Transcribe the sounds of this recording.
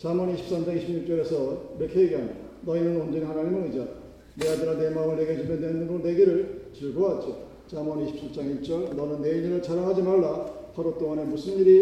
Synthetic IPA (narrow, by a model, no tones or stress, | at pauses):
t͡ɕamʌniɕʰi̥p̚s͈amt͡ɕaŋiɕʰibɲuk̚t͡ɕ͈ʌɾe̞sʰʌiɾekʰeiɡeɦanidabainɯnond͡ʑʌnihanaɲimɯnɯid͡ʑa | neadɯɾanemaŋɯɭneɡed͡ʑimendwenɯnɡoneɡeɾɯɭt͡ɕiɭɡɯɦat̚t͡ɕ͈o | t͡ɕamʌniɕʰi̥p̚s͈ʰat͡ɕ͈aŋiɭt͡ɕ͈ʌɭnʌnɯnːeiɲiɾɯɭt͡ɕʰaɾaŋɦad͡ʑimaɭːapʰaɾot͈oŋanemusʰɯnɲiɾi